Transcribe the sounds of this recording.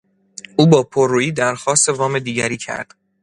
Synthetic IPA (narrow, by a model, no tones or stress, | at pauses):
ʔuːbɒːpʰorːuːiːd̪æɾxɒːst̪e̞vɒːme̞d̪iːɟæɾiːcʰæ̰ɾd̪̥